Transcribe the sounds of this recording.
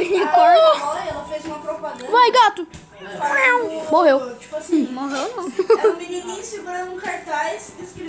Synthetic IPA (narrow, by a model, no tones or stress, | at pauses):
ikoɔɛlɐfezũmɐpɾopad̪vajɡat̪ʊ | nɐ̃w̃moɦewt͡ʃi̥pasĩmoɦewnɐ̃w̃mininĩsjʊpɾɐũkaɾt̪ajss